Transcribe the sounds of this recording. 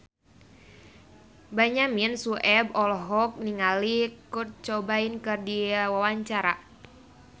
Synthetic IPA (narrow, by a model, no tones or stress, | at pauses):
baɲaminsuʔɛbɔlɔɦɔk̚niŋalikur̚t͡ʃobainkɨrdiwawaɲt͡ʃaɾa